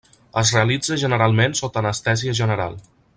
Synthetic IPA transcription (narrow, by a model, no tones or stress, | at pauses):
əzreəlid͡zəʒənəɾalˠmensot̪ənəst̪ɛziəʒənəɾa̰lˠ